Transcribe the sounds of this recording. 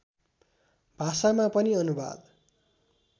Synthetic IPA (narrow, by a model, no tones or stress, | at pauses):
bʱasamapʌniʌnuba̰d̪